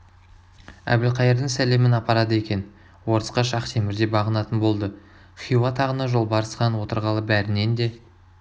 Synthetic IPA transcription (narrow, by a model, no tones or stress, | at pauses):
æ̰bɪlqʰɑjəɾd̪əŋsæle̞mɪnɑpɑɾɑd̪əe̞kʲe̞n | wo̞ɾəsqɑʃɑqt̪ʰe̞mɪɾd̪e̞bɑʁənɑt̪ənbo̞lˠd̪ə | χijuwɑt̪ʰɑʁənɑʒo̞lˠbɑɾəsqɑnwo̞t̪əɾʁɑlˠəbæɾɪne̞nd̪e̞